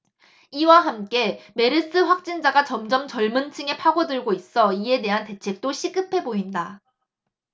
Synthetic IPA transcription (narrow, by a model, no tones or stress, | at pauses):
iwaɦamk͈e̞me̞ɾɯs͈ɯɸwak̚t͡ɕ͈ind͡ʑaɡat͡ɕʌmd͡ʑʌmt͡ɕʌɭmɯnt͡ɕʰɯŋe̞pʰaɡodɯɭɡois͈ʌie̞de̞ɦante̞t͡ɕʰe̞k̚t͈oɕʰiɡ͈ɯpʰe̞boinda